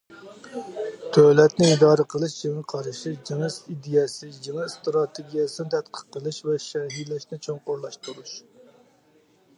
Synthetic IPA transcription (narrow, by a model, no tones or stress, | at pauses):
t̪ʰølɛt̪nɪid̪ɑːɾəqʰəlˠɨʃd͡ʒeŋəqʰɑɾɨʃid͡ʒeŋɨʃid̪ijɛsɪjeŋɨst̪ɾɑt̪ʰeɡʲijɛsɨnɪt̪ʰɛt̪̚qʰə̥qːəlˠɨʃvɛʃɛɦilɛʃnɪt͡ʃʰoŋqoɾlˠɑʃt̪ʰuɾuʃ